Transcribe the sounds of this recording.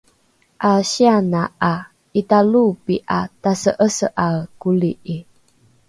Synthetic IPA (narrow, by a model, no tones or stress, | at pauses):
ʔaɕianaa | italupiʔatasəʔəsə̰ʔakuliʔi